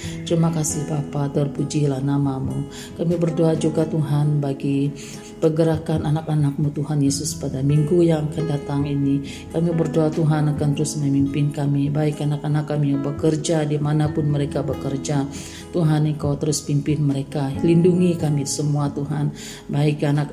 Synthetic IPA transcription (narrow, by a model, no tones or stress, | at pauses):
t̪ɾimakasɪhbapatɔrpud͡ʒilahnamamu | kamibərdoad͡ʒuɡat̪uɦanbaɡi | pəɡəɾakananakanak̚mut̪uɦanjesʊspadamiŋɡujaŋakandat̪aŋini | kamibərdoat̪uɦanakant̪əɾʊsməmimpɪnkamibaɪkanakanakːamijabəkərd͡ʒadimanapʊnməɾekabəkərd͡ʒa | t̪uɦaniŋkawt̪əɾʊspimpɪnməɾekalinduŋikamisəmuat̪uɦan | baɪkanak